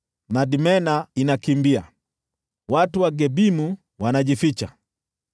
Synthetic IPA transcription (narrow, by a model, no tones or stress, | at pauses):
madimɛnainakimbia | watuwaɡɛbimu | wanaʄifit͡ʃa